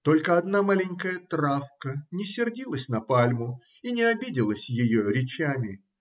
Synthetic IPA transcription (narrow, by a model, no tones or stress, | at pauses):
t̪o̞lʲkəɐd̪namalʲɪnʲkəjət̪ɾafkənʲɪsʲɪrdʲilˠəsʲnɐpalʲmʊ | inʲɪɐbʲidʲɪlˠəsʲjɪjoɾʲɪt͡ɕamʲɪ